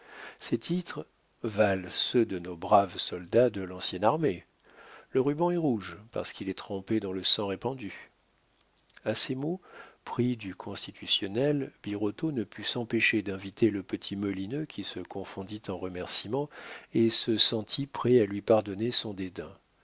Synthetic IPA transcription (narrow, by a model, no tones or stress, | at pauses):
sɛt̪ʰit̪χ | valsød̪ənobʁavsɔld̪ad̪əlɑ̃sjɛnaʁme | ləʁybɑ̃ɛʁuʒpa̰ʁsə̥kilɛt̪χɑ̃ped̪ɑ̃ləsɑ̃ʁepɑ̃d̪y | asemopχid̪ykʰɔ̃st̪it̪ʰysjɔnɛlbiʁɔt̪onəpʰysɑ̃peʃed̪ɛ̃vit̪ʰeləpət̪ʰimɔlinøkʲʰisəkɔ̃fɔ̃d̪it̪ɑ̃ʁəmɛʁsimɑ̃esəsɑ̃t̪ʰipχɛalɥipaʁd̪ɔnesɔ̃d̪ed̪ɛ̃